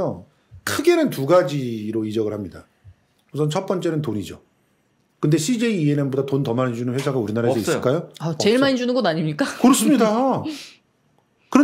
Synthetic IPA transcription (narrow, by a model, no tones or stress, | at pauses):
ʌ | kʰɯɡe̞nɯntuɡad͡ʑiɾoid͡ʑʌɡɯɭhamɲida̰ | usʰʌnt͡ɕʰʌt̚p͈ʌnt͡ɕ͈e̞nɯntoɲid͡ʑo̰ | kɯnde̞ɕʰid͡ʑe̞iːe̞nembodatontʌmaɲid͡ʑunɯnɸwesʰaɡauɾinaɾaesʰʌis͈k͈ajoat͡ɕe̞ɭmaɲid͡ʑunɯnɡʌnaɲimɲik͈akɯɾʌs͈ɯmɲida | kɯɾʌ